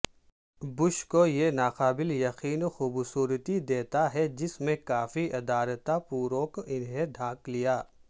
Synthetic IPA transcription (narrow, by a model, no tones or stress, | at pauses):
bʊʃkojenaːqaːbɪljɐqiːnoxʊbsuːɾət̪id̪eːt̪aɦɛd͡ʒɪsmẽkaːfiʔɐd̪aːlət̪apuːɾõkɪnɦeɖʱãːklijaː